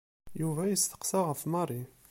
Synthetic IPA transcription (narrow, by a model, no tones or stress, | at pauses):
juvæjəst̪ə̥qsɑʁəfmɑrˤi